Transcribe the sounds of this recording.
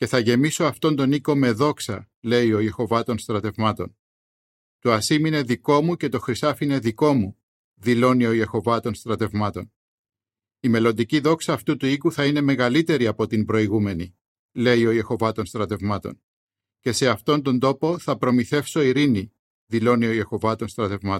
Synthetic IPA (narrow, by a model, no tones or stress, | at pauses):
ce̞θɐʝe̞miso̞ɐft̪o̞nt̪o̞niko̞me̞ðo̞ksɐ̰ | le̞io̞je̞xo̞vɐt̪o̞nst̪ɾɐt̪e̞vmɐt̪o̞̰n | t̪uɐsimine̞ðiko̞muce̞t̪o̞xɾisɐfine̞ðiko̞mu | ðilo̞nio̞je̞xo̞vɐt̪o̞nst̪ɾɐt̪e̞vmɐt̪o̞̰n | ime̞lo̞nd̪iciðo̞ksɐːft̪ut̪uikuθɐine̞me̞ɣɐlit̪e̞ɾiɐpo̞t̪imbɾo̞iɣume̞ni | le̞io̞je̞xo̞vɐt̪o̞nst̪ɾɐt̪e̞vmɐt̪o̞̰n | ce̞se̞ɐft̪o̞nt̪o̞nd̪o̞po̞θɐpɾo̞miθe̞fso̞iɾini | ðilo̞nio̞je̞xo̞vɐt̪o̞nst̪ɾɐt̪e̞vmɐ